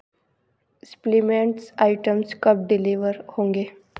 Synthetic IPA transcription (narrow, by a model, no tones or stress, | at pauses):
splimẽɳʈsaːɪʈəmskɐb̚ɖɪliʋəɾhõːŋɡeː